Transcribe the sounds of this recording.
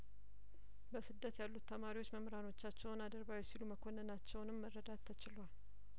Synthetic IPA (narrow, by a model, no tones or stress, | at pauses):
bəsɨd̪ːət̪jalːut̪ʰːəmaɾiwo̞t͡ʃːməmɾano̞t͡ʃːat͡ʃːɛwnad̪əɾbawjɛsiluməkʰo̞nːənat͡ʃːɛwnɨmːərːəd̪at̪ʰːət͡ʃɪlwal